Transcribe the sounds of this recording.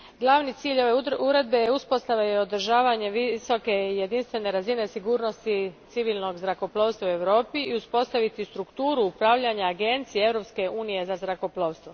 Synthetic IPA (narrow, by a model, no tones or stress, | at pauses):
ɡlˠaʋnit̪siːʎo̞ʋeuɾe̞d̪be̞jeuspo̞st̪aʋajeod̪ɾ̩ʒaːʋaɲe̞ʋiso̞ke̞ije̞d̪inst̪ʋe̞ne̞ɾazine̞siɡuːɾno̞st̪it̪siʋilˠno̞ɡzɾako̞plˠoːʋst̪ʋaue̞ʋɾo̞ːpiiuspo̞st̪aʋit̪ist̪ɾukt̪uːɾuupɾaʋʎaɲaːɡe̞nt̪sijeevɾo̞pske̞ʔuːnije̞zazɾako̞plˠoːʋst̪ʋo